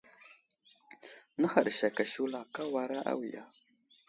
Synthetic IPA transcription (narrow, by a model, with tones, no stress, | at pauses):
na˦xa˨ɗʃa˨ka˨ʃu˦la˨ka˦wa˨ɾa˦ʔa̰˦wi˨ja˦